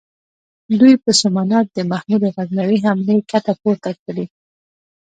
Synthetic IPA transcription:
lujpəsʊmanat̪̚d̪əmaxmud̪eɣaɡnawiɦamlekat̪apoɾt̪akəɽi

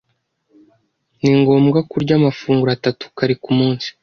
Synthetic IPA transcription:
niŋɡo̞ːmɡakuɾɟaːmafuːŋɡuɾatatu̥kaɾikumuːnsi̥

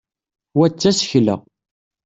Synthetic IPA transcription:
wæt͡sːæsəçlə̰

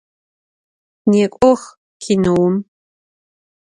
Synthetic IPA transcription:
neːkʷʼɔx | kʰinɨwʊm

